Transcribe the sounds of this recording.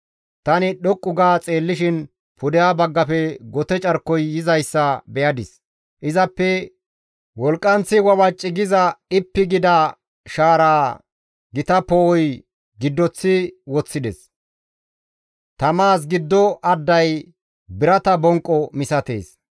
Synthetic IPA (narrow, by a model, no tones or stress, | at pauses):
t̪ɐnɪɗɔkʼːʊɡaːt͡sʼe̞ːlːɪʃɪn | pʊd̪ɛjaːbɐɡːɐpɛɡɔt̪ɛt͡ʃʼɐɾkːɔjːɪzɐjsːɐbɛjɐd̪ɪs | ʔɪzɐpːɛ | wɔlkʼːɐnt͡sːɪwɐwɐt͡ʃʼːɪɡɪzɐɪpːɪɡɪd̪ɐ | ʃaːɾaː | ɡɪt̪ɐpɔɔj | ɡɪd̪ːɔt͡sːɪwɔt͡sːɪd̪ɛs | t̪ɐmaːs̬ɡɪd̪ːɔʔɐd̪ːɐj | bɪɾɐt̪ɐbɔŋkʼːɔmɪsɐt̪ḛːs